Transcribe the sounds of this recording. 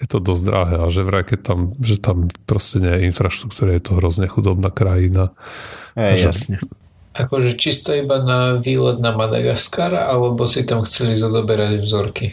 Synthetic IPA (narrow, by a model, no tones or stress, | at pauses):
jɛt̪ɔd̪ɔzd̪ɾaɦɛaʒɛʋɾɛkɛt̪amʒɛt̪ampɾɔscɛɲɛjɛinfɾaʃt̪ɾukt̪uːɾajɛt̪ɔɦɾɔzɲɛxud̪ɔbnakɾajina | aʒɛɛ | ʔakɔʒɛt͡ʃist̪ɔibanaʋiːlɛd̪̚namad̪a̰ɡaskaɾa̰ʔalɛbɔsit̪amxt͡sɛlizɔd̪ɔbɛɾaɟvzɔɾki